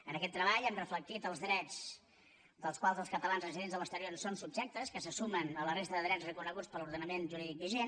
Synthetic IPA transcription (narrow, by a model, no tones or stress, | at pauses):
ənəkɛt̪ːɾəβ̞aʎɛmrəflək̚t̪it̪əlˠzðɾɛd͡z | d̪əlˠskwalˠzəlˠskət̪əlanzrəziðenzðələst̪əɾionsonsub̚ʒɛk̚t̪əskəsəsumənələrest̪əðəðɾɛt͡srəkunəɣut͡spəluɾðənəmenʒuɾiðik̚biʒen